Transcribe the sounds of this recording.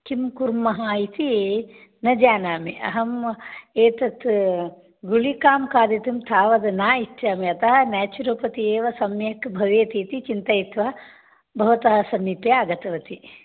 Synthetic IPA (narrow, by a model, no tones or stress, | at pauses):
kimkuɾmɐɦaːit̪i | nɐd͡ʒaːnaːmiʔɐ̰ɦɐmeːt̪ɐt̪ | ɡulikaːmkaːd̪ɐt̪imt̪ʰaːʋɐd̪naːit͡ʃʃaːmiɐt̪ɐɦɐnaːt͡ʃuɾɐpɐt̪ieːʋɐsɐmjɐkbʱɐʋeːt̪iːt̪it͡ʃint̪ɐjit̪ʋɐ | bʱɐʋɐt̪ɐɦɐsɐmipjaaːɡɐt̪ɐʋɐt̪i